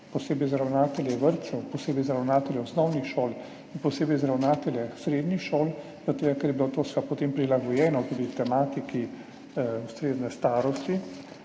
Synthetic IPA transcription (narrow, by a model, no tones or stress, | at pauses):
pɔseːbɛjzɾawnaːt̪ɛljɛʋəɾt̪sɛwpɔseːbɛjzɾawnaːt̪ɛlʲjɛɔsnɔwnixʃoːl | inpɔseːbɛjzɾawnaːt̪ɛljɛsɾeːd̪nixʃoːl | zat̪eːɡakɛɾjɛbilot̪oːsʋapɔt̪empɾilaɡɔjɛːnɔt̪uːd̪it̪ɛmaːt̪iki | ust̪ɾeːznɛst̪aːɾɔst̪i